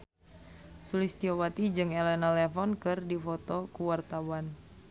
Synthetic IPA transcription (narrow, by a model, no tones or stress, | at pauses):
sulist̪iowat̪id͡ʒɨŋɛlɛnalɛfɔnkɨrdifɔt̪ɔkuwart̪awan